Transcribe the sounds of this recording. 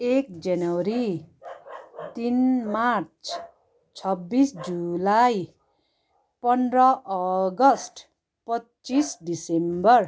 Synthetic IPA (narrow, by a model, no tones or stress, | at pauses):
ek̚d͡zanʌwɾi | t̪inmart͡sʰ | t͡sʰʌbːisd͡zulaj | pʌnrʌʔʌɡʌsʈ | pʌtt͡sisɖisembʌr